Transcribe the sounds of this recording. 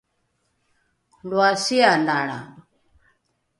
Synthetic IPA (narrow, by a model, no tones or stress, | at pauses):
lwasiandaɺa̰